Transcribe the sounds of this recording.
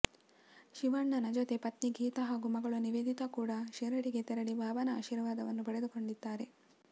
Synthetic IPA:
ʃiʋɐɳːɐnɐd͡ʒot̪e̞pɐt̪niɡʱiːt̪ɐɦaːɡumɐɡɐɭuniʋeːd̪ʱit̪ɐkuːɽɐʃɛɾɐɽiɡe̞t̪ɛɾɐɽibʱaːʋɐnɐa̰ːʃiːɾʋaːd̪ɐʋɐnːupɐɽed̪uko̞ɳɖid̪ːaːɾe̞

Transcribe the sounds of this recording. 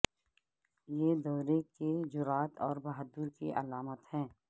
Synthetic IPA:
jed̪ɔːɾeked͡ʒʊɾaːt̪ɔːɾbaɦəd̪ʊɾkḭʔɐ̰laːmət̪hɛ̃ː

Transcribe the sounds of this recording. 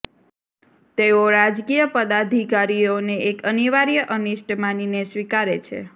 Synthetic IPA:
t̪eoɾad͡ʒkijəpəd̪ad̪ʱikaɾioneekəniʋaɾijəʔəniʃʈmaninesʋikaɾet͡ʃʰḛ

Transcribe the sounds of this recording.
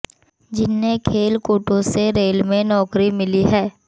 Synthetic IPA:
d͡ʒɪnːekʰeːlkuːʈõseɾeːlmẽnɔːkɾimɪliɦɛː

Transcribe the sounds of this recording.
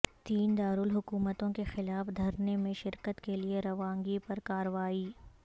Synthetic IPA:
t̪iːnd̪aːɾʊlɦʊkuːmət̪õkexɪlaːfd̪ʱɐɾnemẽʃɪɾkət̪kelieɾɐʋãːŋɡipɐɾkaːɾəʋaːiː

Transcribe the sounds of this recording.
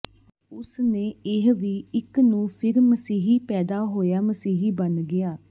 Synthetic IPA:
ʊsneːɪɦʋiːɪknũːpʰɪɾməsiːɦiːpɛːd̪aːɦoːjaːməsiːɦiːbənɡɪaː

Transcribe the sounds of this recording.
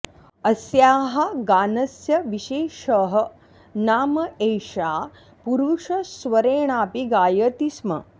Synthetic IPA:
ɐsjaːɦɐɡaːnɐsjɐʋiʃeːʃɐɦɐ | naːmɐeːjʂaː | puɾuʂɐsʋɐɾeːɳ̃aːpiɡaːjɐt̪ismɐ̰

